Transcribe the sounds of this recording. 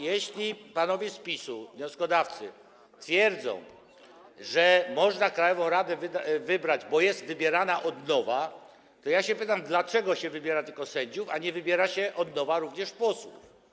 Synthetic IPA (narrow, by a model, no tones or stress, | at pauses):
jɛɕlʲipanɔvʲjɛspʲisuvɲɔ̃skɔd̪aft̪sɘ̰ | t̪fʲjɛɾd̪zɔ̰̃w̃ | ʐɛmɔʐnakɾajɔvɔ̃w̃ɾad̪ɛvvɘbɾad͡ʑbɔjɛst̪vɘbʲjɛɾanaʔɔd̪nɔva | t̪ɔjaɕɛpɘt̪amd̪lat͡ʂɛɡɔɕɛvɘbʲjɛɾat̪ɘlkɔsɛɲd͡ʑufaɲɛvɘbʲjɛɾaɕɛʔɔd̪nɔvaɾuvɲɛʂpɔswṵf